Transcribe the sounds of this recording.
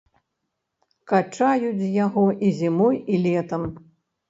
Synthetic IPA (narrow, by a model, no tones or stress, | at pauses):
kat͡ʂajut͡sʲjaɣɔʔizʲimɔjilʲɛt̪ɐm